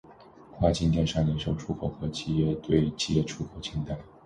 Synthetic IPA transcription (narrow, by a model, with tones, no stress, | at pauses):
xwa˥˩t͡ɕi˥nt̪ʰjɛ˥˧nʂɑ˥˩lɛ˧˥ʂo˥˧ʊʈ͡ʂʰu˧˥kʰo˧˥˩ʊxɤ˧˥t͡ɕi˥jɛ˥˧t̪we˥˩ɪt͡ɕi˧˥jɛ˥˩ʈ͡ʂʰu˥kʰo˧˥ʊt͡ɕʰi˧˥ŋt̪a˥˩ɪ